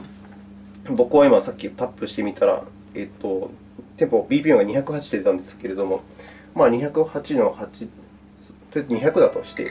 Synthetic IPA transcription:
bo̞kɯ̟βaimasakʲːit̪apːɯ̟ɕi̥t̪e̞mʲit̪ʰaɾa̰ | e̞t̪ːo̞ | t̪e̞mpo̞bʲiːpʲiːoŋɡaɲ̟içakɯ̟hat͡ɕi̥d̪ed̪eãnd̪e̞sɨ̥ke̞ɾe̞d̪o̞mo̞ | maːɲ̟içakɯ̟hat͡ɕino̞hat͡ɕi | t̪oɲ̟içakɯ̟d̪at̪o̞ɕi̥t̪e̞̰

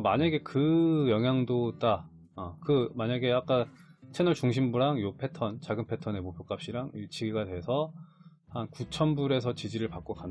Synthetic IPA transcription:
maɲaɡe̞kɯjʌŋɦjaŋdot͈a | ʌkɯmaɲaɡe̞ak͈at͡ɕʰe̞nʌɭt͡ɕuŋɕʰimbuɾaŋjopʰe̞tʰʌnt͡ɕaɡɯnpʰe̞tʰʌne̞mopʰjok͈ap̚ɕ͈iɾaŋit͡ɕʰiɡiɡadwe̞sʰʌ | hankut͡ɕʰʌnbuɾe̞sʰʌt͡ɕid͡ʑiɾɯɭpak͈̚okan

